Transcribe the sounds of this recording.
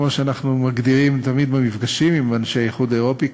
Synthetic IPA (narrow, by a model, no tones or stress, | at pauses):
mo̞ʃeanaχnumaɡd̪iʁimt̪amid̪bamifɡaʃimimanʃeajeχud̪eʁo̞pi